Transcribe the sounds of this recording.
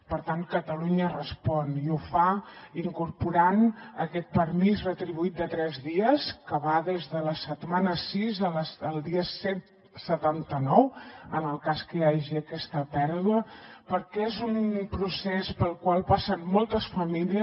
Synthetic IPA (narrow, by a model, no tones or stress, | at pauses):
pəɾt̪aŋkət̪əluɲərəspɔniufaiŋkuɾpuɾanəkɛt̪̚pəɾmizrət̪ɾiβuit̪̚d̪ət̪ɾɛzðiəskəβaðezðələsət̪manəsizəlsəlˠd̪iəset̪ | sət̪ant̪ənɔwənəlˠkaskəjaʒiəkɛst̪əpɛɾðuəpəɾkɛezumpɾusɛspəlˠkwalˠpasənmɔlˠt̪əsfəmiliə